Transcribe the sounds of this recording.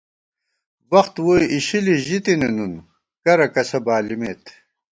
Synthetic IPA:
wɐxt̪woːiʔiɕiliʑit̪inenun | kɐɾɐkɐsɐbaːlimeːt̪

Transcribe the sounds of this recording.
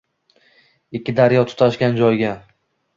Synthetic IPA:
ɪkʲʰːɪd̪aɾjɒt̪ʰʊ̥t̪ʰaʃkʲand͡ʒɒjɡʲa

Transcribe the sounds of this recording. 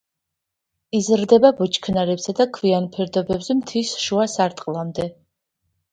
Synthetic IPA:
izɾd̪ɛbabut͡ʃʼʰkʰnaɾɛbzad̪akʰvianpʰɛɾd̪ɔbɛbzɛmt̪ʰisʃuasaɾt̪ʼqʼlˠamd̪ɛ

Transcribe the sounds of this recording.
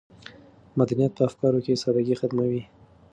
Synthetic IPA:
mad̪anijat̪̚pəafkɑɾokesɑd̪aɡixad̪mawi

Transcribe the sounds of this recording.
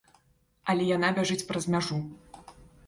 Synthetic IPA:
ɐlʲɛjan̪abʲaʐɨt͡sʲpɾɐzmʲaʐu

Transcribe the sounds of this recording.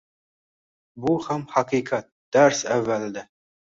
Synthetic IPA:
buhæmhaqiqʰat̪̚d̪̥æɾsævːæld̪æ

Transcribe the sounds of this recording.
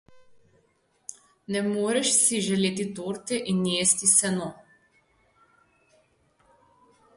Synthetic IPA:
nɛmoːɾɛʃsiʒɛleːt̪it̪oːɾt̪ɛʔinjeːst̪isɛnɔ

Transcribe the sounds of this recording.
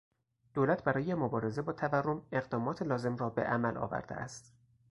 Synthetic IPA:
d̪̥oːlæt̪ʰbæɾɒːjemobɒːɾe̞ze̞bɒːt̪ʰæværːo̞me̞ɣd̪ɒːmɒːt̪ʰelɒːze̞mrɒːbe̞̰ʔæmælʔɒ̰ːvæ̰ɾd̪ḛʔæ̰st̪

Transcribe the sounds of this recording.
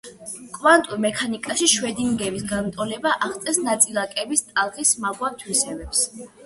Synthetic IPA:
kʼmant̪ʼumɛkʰanikʼaʃiʃwɛd̪imɡɛvisɡanmt̪ʼɔlɛbaʔaχt̪sʼɛsnat̪sʼilˠakʼɛbist̪ʼalˠʁismaɡwat̪ʰwisɛvɛps

